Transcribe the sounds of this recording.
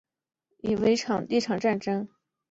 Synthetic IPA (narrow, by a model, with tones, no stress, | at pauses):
i˨˩we˧˥ɪʈ͡ʂʰɑ˨˩ŋt̪i˥˩ʈ͡ʂʰɑ˨˩ŋʈ͡ʂa˥˩nʈ͡ʂɤ˥ŋ